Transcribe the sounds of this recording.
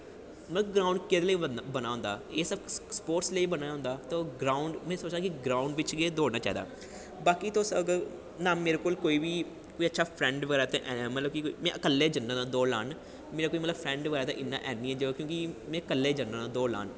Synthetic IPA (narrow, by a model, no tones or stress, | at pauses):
mət̪ləbɡɾaːʊɳɖked̪leibənaːɦʊ̃nd̪aːeːsəbspoːɾʈsləiːbənaːjːɦʊ̃nd̪aːt̪õːɡɾaːʊɳɖmɛ̃ːsoːt͡ʃdãːkɪɡɾaːʊɳɖʋɪt͡ʃɡeːd̪oːɽnaːt͡ʃaːiːd̪a̰ː | baːkit̪õːsəɡə | naːmeːɾeːkoːlkoːiːbiː | koːiːətːʃʰaːpʰɾɛ̃ːɳɖʋəɡɛːɾaːt̪ẽʔɛmət̪ləb̚kikmɛ̃ʔəkəlːeːd͡ʒənːãːnãːd̪oːlaːn | meːɾaːkoːimət̪ləbpʰɾɛ̃ːɳɖʋəɡɛːɾaːt̪ḛ̃ːʔɪnːã̰ːʔɛːniːɛːd͡ʒəokjõːkimɛ̃ːəkəlːeːd͡ʒənːãːnãːd̪oːla̰ːn